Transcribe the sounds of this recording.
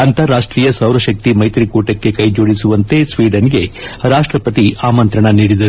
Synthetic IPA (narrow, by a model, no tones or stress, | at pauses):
ɐnt̪ɐɾːaːʂʈɾiːjɐsɐwɾɐʃɐk̚t̪imɐjt̪ɾikuːʈɐkːe̞kɐjd͡ʒoːɽisuʋɐnt̪e̞sʋiːɖɐniɡe̞ɾaːʂʈɾɐpɐt̪iaːmɐnt̪ɾɐɳɐniːɽid̪ɐɾu